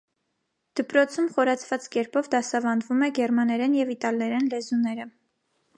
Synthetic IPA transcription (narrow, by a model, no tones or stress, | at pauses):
d̪̥əpɾɔt͡sʰumχɔɾɑt͡sʰvɑt͡skɛɾpɔvd̪ɑsɑvɑnvumɛɡɛɾmɑnɛɾɛnjɛvit̪ɑlnɛɾɛnlɛzunɛɾə